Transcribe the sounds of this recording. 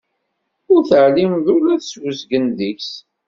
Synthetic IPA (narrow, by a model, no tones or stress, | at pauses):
ʊɾθəʕlimðʊlæθswəzɡənðiçs